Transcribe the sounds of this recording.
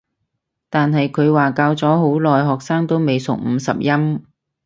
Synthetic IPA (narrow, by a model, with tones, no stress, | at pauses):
t̪aː˨nɦɐ˨jkʰɵ˨˧ɥwaː˨kaː˧wt͡sɔː˨˥ɦo˨˥wlɔː˨jɦɔː˨k̚saː˥ŋt̪o˥wme˨jsʊ̰˨k̚m̩˨˧sɐ̰˨p̚jɐ˥m